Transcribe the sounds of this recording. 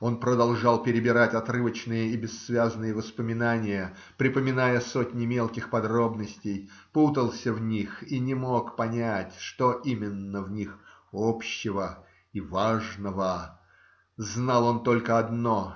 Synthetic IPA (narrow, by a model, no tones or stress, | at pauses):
o̞npɾəd̪ɐlˠʐɑlˠpʲɪɾʲɪbʲɪɾatʲɐt̪rɨvət͡ɕnɨjəibʲɪsːvʲaznɨjəvəspəmʲɪnanʲɪjə | pɾʲɪpəmʲɪnajəso̞tʲnʲɪmʲe̞lˠkʲɪxpɐd̪ɾo̞bnəsʲtʲɪjput̪əlˠsʲəvnʲixinʲɪmo̞kpɐnʲætʲʂt̪o̞ʔimʲɪnːəvnʲix | opɕːɪvə | ivaʐnəvə | znɑlˠo̞nt̪o̞lʲkəɐd̪no̞